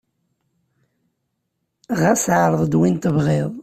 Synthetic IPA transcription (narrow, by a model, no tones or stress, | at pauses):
ʁæsʕɾˤəðˤd̪wint̪əvʁeðˤ